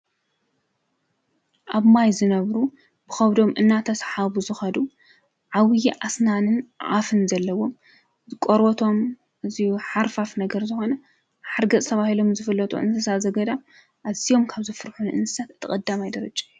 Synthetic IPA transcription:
ʔaβmajzɨnɐβɾu | b̥ɨxɐβd̪o̞mʔɨnːat̪ʰɐsħaβuzɨxɐd̪u | ʕawjiʔasnanɨnʕafɨnzɐlːɐwo̞m | ɨkʼoɾot̪ʰo̞m | ʔɨzijuħaɾfafnɐɡɐɾzɨxo̞nɐ | ħaɾɡɐt͡sʼt̪ʰɐβahilo̞mzɨfɨlːɐt̪ʼṵʔɨ̰nsɨsazɐɡɐd̪a | ʔaz̥ijo̞mkʰaβzɨfɨɾħunʔɨ̰nsɨ̥sat̪ɨt̪ʰːɨkʼɐd̪ːamajd̪ɐɾɐt͡ʃʼːḁ

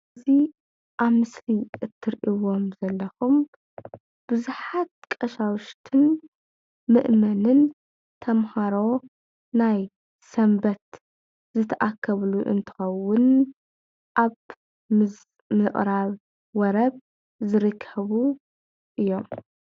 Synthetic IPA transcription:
zi | ʔaβmɨsliʔɨt̪ʰːɨɾʔiwo̞mzɐlːɐxum | b̥ɨzuħat̪̚kʼɐʃawʊʃt̪ʰɨn | mɨʔmɐnɨn | t̪ʰɐmhaɾo̞ | naj | sɐmbɐt̪ | zɨt̪ʰɐʔakʰːɐβluʔɨ̰nt̪ʰɨ̥xɐwːʊn | ʔaβ | mɨʔʼɾaβ | wɔɾɐβ | zɨɾɨkʰːɐβu | ʔɨjːo̞m

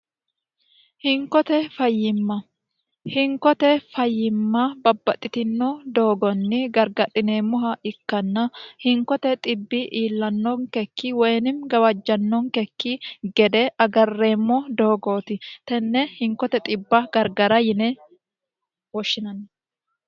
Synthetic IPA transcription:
hɪŋkɔt̪ɛfɐjːɪmːɐ | hɪŋkɔt̪ɛfɐjːɪmːɐbɐbːɐt̪ʼːɪt̪ɪnːɔd̪o̞ːɡɔnːɪɡɐɾɡɐt̪ʼɪneːmʊɦɐʔɪkːɐnːɐhɪŋkɔt̪ɛt̪ʼɪbːɪʔiːlːɐnːɔŋkɛkːiːwɔjnɪmɡɐwɐd͡ʒːɐnːɔŋkɛkːiɡɛd̪ɛʔɐɡɐrːe̞ːmːɔd̪o̞ːɡoːt̪ɪt̪ɛnːɛhɪŋkɔt̪ɛt̪ʼɪbːɐɡɐɾɡɐɾɐjɪnɛ | wɔʃːɪnɐn

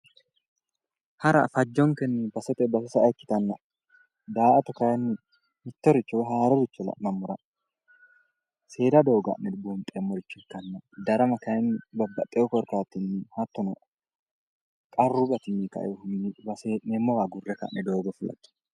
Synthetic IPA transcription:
hɐɾɐ̰fɐd͡ʒːɔŋkɛnːɪbɐsɔt̪ɛbɐsʊsɐːkːɪ̥t̪ɐnːɐ | d̪aːʔɐt̪ɔkɐjɐnːɪ | mɪt̪ːɔɾɪt͡ʃːɔɦaːɾɔbɪt͡ʃːɔlɐ̰ʔmɐmːʊɾɐ | se̞ːd̪ɐd̪o̞ːɡɐ̰nɛbɔnt̪ʼːemːɔɾɪt͡ʃːʊkːɐnːɐd̪ɐɾɐmɐkɐjnbɐbːɐt̪ʼːɛɔkɔɾkaːt̪ːɪnːɪhɐt̪ːɔnɔ | kʼɐrːubɐt̪ɪnːikɐ̰ʔɛʊnːɪbɐsenemːɔwaɡʊrːɛkɐ̰ʔnʔɛd̪o̞ːɡɔfʊlɐ̰t̪ːɪ̥

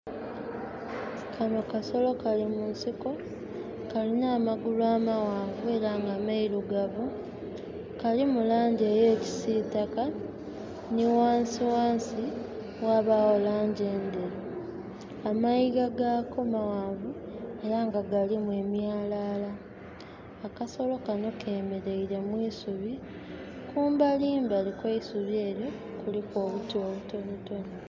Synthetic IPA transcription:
kʰanokaso̞lo̞kalimunsiko̞ | kalinaːmaɡulwaːmawaːɱvue̞ɾaŋɡaːmaiɾuɡaβo | kalimulaːɲɟe̞ːjeːci̥siːtaka | niwaːnsiwaːnsi | waːβawolaːɲɟeːnde | amaiɡaɡako̞mawaːɱvue̞ɾaŋɡaɡalimwe̞ːmjaːlalaː | kaso̞lo̞kano̞kʰeːme̞ɾe̞iɾemwiːsuβi | kuːmbaliːmbalikweisuβje̞ːɾjo̞ | kuliko̞ːβutoːβuto̞nuto̞no

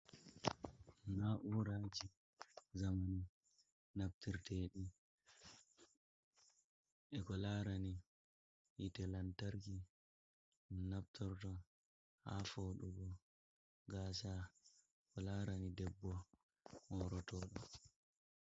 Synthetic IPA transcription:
naʔuːɾaːd͡ʒi | zamani | nabtiɾtɛɗi | ʔɛkɔlaːɾani | ʔitɛlantaɾki | nab̚tʰɔɾtɔ | ha̰foɗuɡɔ | ɡaːsa | kɔlaːɾanidɛbːɔ | hɔɾɔtɔːɗɔ

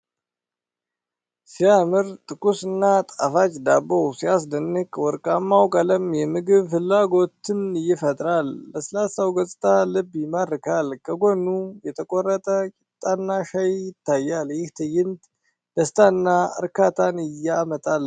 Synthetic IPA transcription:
sijamɨɾt̪ʼɨkʼusɨnːat̪ʼafat͡ʃʼd̪abəwsijas̬d̪ənːɨkʼwɔɾkʼamːawkʼələmjɛmɨɡɨβfɨlːaɡo̞t̪ɨnɨjːɪfət̪ʼɾalːəsəlasawɡəsʼt̪ʰʼalɨbjɪməɾɨkʰalkʰəɡonːujɛt̪ʰəkʼorːət̪ʼət͡ʃʼɪt̪ʼːanːaʃajjɪt̪ʰːajːaljɪht̪ʰɨjɪnt̪ | d̪̥əst̪ʰʼanːaɨ̰ɾkʰat̪ʰanɪjamət̪ʼal

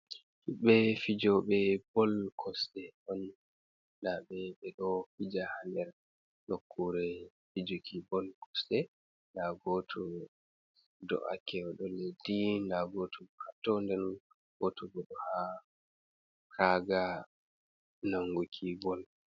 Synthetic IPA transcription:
hiɓːɛfid͡ʒɔɓɛb̥ɔlkʰɔstɛʔɔnː | daɓɛɓɛɗɔfid͡ʒahandɛɾ | nokʰːuɾɛ | fid͡ʒukʰibɔlkɔ̥stɛ | ndaɡotʰu | dɔ̰ʔa̰kʰɛɔɗɔledindaɡotʰuhatːɔndɛn | ɡotuɡɔɗɔha | kʰaɡa | naŋɡukʰibɔl

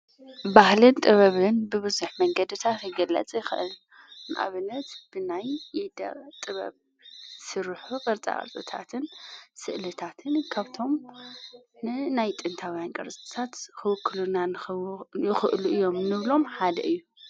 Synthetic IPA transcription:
bahlɨnt̪ʼɨβɐβɨnbɨβɨzuħmɐŋɡɐd̪ɨt̪ʰat̪jɪɡɐlːɐ̰t͡sʼjɪxɨʔɨ̰l | nɨ̰ʔa̰βɨnːɐt̪b̥ɨnajid̪ɐ̰t̪ʼɨβɐ̰β | sɨɾħufʼɐɾt͡sʼa̰ʔʼɐ̰ɾt͡s̪ʼɨt̪ʰa̰t̪ʰɨnsɨʔlɨt̪ʰat̪ʰɨnkʰaβt̪ʰo̞m | nɨnajt̪ʼɨnt̪ʰawijankʼɐ̰ɾt͡sʼt̪ɨ̥t̪ʰat̪kɨwɨkʰːɨlunanɨjɪxɨʔluʔɨjːo̞mnɨβlo̞mħad̪ɐ̰ʔɨjːu

